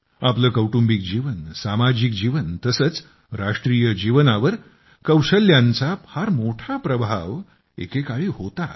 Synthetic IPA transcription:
apləːkəwʈumbik̚d͡ʑiʋənsamad͡ʑikd͡ʑiʋənt̪əsəːt͡s | ɾaʂʈɾijəd͡ʑiʋnaʋəɾ | kəwʂəljãnt͡sahaɾmoʈʰapɾəbʱaʋ | ḛkekaɭiːɦot̪a

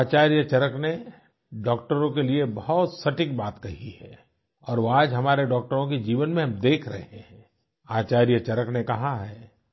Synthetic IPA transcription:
aːt͡ʃaːɾjət͡ʃɐɾəkne | ɖɔːk̚ʈəɾõkeliebɐɦʊt̪sɐʈɪk̚baːt̪kɐɦihɛː | ɔːɾʋoaːd͡ʒɦɐmaːɾeɖɔːk̚ʈəɾõkid͡ʒiːʋənmẽɦɐmd̪eːkʰɾɐ̰ɦeɦẽɦɛ̃ | aːt͡ʃaːɾjət͡ʃɐɾəknekɐɦaɦɛː

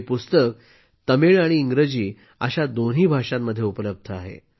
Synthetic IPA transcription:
pust̪ək̚ | t̪əmiɭaɽ̃iːŋɡɾəd͡ʑiː | ə̰ɕad̪on̤ɦiːbʱaʂamːəd̪ʱːjeupələb̚d̪ʱəaɦḛ

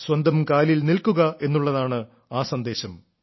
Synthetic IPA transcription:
swɐnd̪ʱɐmkaːlilnilkuɣɐe̞nːuɭːɐðaːɳɨ | aːsɐnd̪e̞ːɕɐm

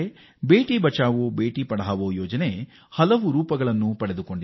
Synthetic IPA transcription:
e | be̞ːʈibɐt͡ʃaːʋobe̞ːʈipɐɽaːʋoːjɔːd͡ʒɐne̞ | hɐlɐʋuɾuːpɐɡɐɭɐnːupɐɽe̞d̪uko̞ɳɖi

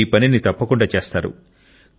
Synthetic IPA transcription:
iːpɐninit̪ɐpːɐkuɳɖaːt͡ʃe̞ːst̪aːɾṵ

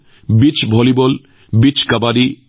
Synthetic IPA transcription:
bit͡ɕbʱɔlibol | bit͡ɕkabaɾi

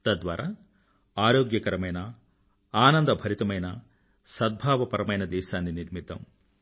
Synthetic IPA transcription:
t̪ɐd̪ʋa̰ːɾaː | aːɾoːɡjɐkɐɾɐmɐjnɐ | aːnɐnd̪ɐbʱɐɾit̪ɐmɐjnɐ | sɐd̪̚bʱaːʋɐpɐɾɐmɐjnɐd̪ɛːʃaːnːiniɾmit̪ːɐ̰m

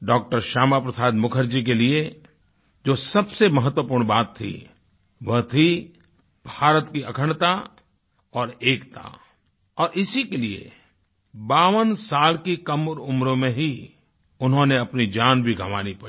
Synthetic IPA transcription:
ɖɔːk̚ʈəɾʃaːmapɾɐsaːd̪mʊkʰəɾd͡ʒik̬elie | d͡ʒoːsɐbsemɐɦət̪wəpuːɾɳ̃baːt̪ʰːḭ | ʋɐt̪ʰi | bʱaːɾət̪kiɐkʰəɽt̪a | ɔːɾeːkt̪a̰ | ɔːɾɪsikeliḛ | baːʋənsaːlkikɐmɾʊmɾõmẽɦi | ʊnɦõneɐpnid͡ʒaːnbʱiɡʱɐʋaːnipɐ

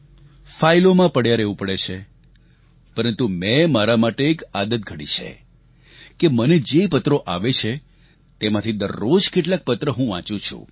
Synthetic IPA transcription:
failomãpəɽjaɾeʋũpəɽet͡ʃʰe | pəɾənt̪umɛ̃maɾamaʈeːkad̪ət̪̚ɡʱəɽḭt͡ʃʰḛ | keməned͡ʒepət̪ɾoʔaʋet͡ʃʰe | t̪emãt̪ʰid̪əɾːod͡ʒkeʈlak̚pət̪ɾəɦũʋã̰t͡ʃũt͡ʃʰṵ̃

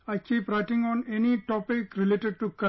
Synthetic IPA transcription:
aɪkʰipɾaɪʈɪ̃ŋɔ̃neniʈɔpɪkɾɪleːʈeɖ̚ʈukə

